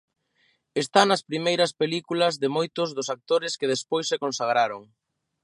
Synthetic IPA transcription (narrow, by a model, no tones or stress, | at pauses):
est̪anɐspɾimejɾɐspelikulɐzðɪmojt̪ʊzðʊsak̚t̪oɾɪskɪðespojsːekonsaɣ̞ɾaɾoŋ